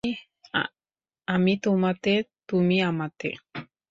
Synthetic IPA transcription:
amit̪umat̪et̪umiamat̪ḛ

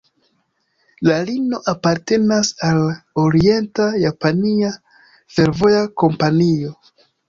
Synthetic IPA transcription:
lalino̞ʔapaɾte̞nasaloɾie̞ntajapania | fe̞ɾvo̞jako̞mpanio̞

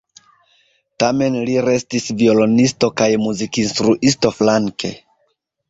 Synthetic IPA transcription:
tame̞nliɾe̞stisvio̞lo̞nisto̞kajmuzikinstɾuʔisto̞flaŋkʰe̞̰

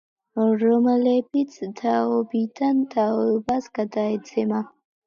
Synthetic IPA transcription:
ɾɔmɛlɛbit̪sʰt̪ʰaɔbid̪ant̪ʰaɔbasɡ̥ad̪aɛt̪sʰɛma

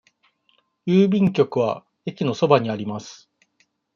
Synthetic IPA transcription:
jɯːbʲĩŋkʲo̞kɯ̟β̞a̰ | e̞kʲino̞so̞baɲ̟iaɾʲimasɨ̥

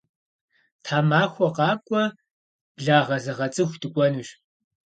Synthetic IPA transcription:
tʰaːmaːxʷɔqɑːkʷʼɔ | bɮaːʁɐzɐʁɐt͡sʼɨxʷdɨkʷʼɔnuːɕ

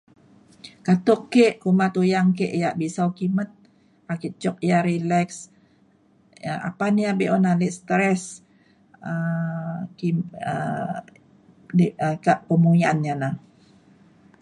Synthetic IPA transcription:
kat̪ɔkːeʔkumat̪ujaŋk̬eʔjaʔbisawkimət̪̚ | akit͡ʃɔk̚jaɾilɛks | a̰paniabeʔɔnaliʔst̪ɾɛs | ə | kiə | dəkaʔpəmuianɲana

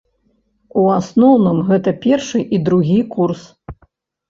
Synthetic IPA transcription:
uasnɔwnɨmɣɛt̪ɐpʲɛrʂɨʔid̪ɾuɣʲikurs

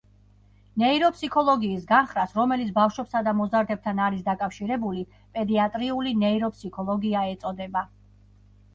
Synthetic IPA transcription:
nɛiɾɔpʰsikʰɔlˠɔɡiːsɡanχɾasɾɔmɛlit̪sʰbafʃwɛpsad̪amɔzaɾd̪ɛb̚t̪ʰanaɾisd̪akʼafʃiɾɛbuli | pʼɛd̪iat̪ʼɾiulinɛiɾɔpʰsikʰɔlˠɔɡiaɛt̪sʼɔd̪ɛba

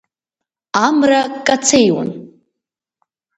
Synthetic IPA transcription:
amrakʼat͡sʰejwa̰n

